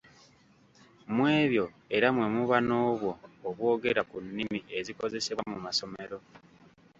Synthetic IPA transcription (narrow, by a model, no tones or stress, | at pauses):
mwe̞ːβjo̞ | e̞ɾamwe̞muβano̞ːβwo̞ːβwo̞ːɡe̞ɾakunːimiʔe̞ziko̞ze̞se̞amumaso̞me̞ɾo̞